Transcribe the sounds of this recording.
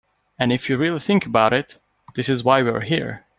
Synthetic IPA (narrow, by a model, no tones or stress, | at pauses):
ɨ̃nɨfjɨɹɪlˠiθɪ̃ŋkəbaʊɾɪt̪ | ðɪsɨzwaɪwḭ˞ɦiɹ